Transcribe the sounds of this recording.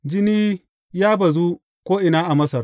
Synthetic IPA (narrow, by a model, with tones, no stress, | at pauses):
d͡ʒɪ˦niː˦ | jaː˦bɐ˨zuː˦ | kʷoː˦ʔɪ˨naː˦ʔa˨mɐ˦sɐ˨r